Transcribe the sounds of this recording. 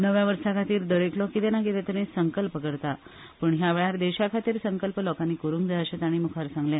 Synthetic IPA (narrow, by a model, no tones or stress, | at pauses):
nəʋjaʋəɾsakʰat̪iːɾd̪əɾeklɔkit̪ɛnakit̪ɛt̪əɾẽsəŋkəlpəkəɾt̪a | pəɳɦjaʋeɭaɾd̪eɕakʰat̪iːɾsəŋkəlpəlɔkanːikoɾuŋkd͡z̪ʱaəɕət̪aɽ̃imukʰaɾsãŋɡlẽ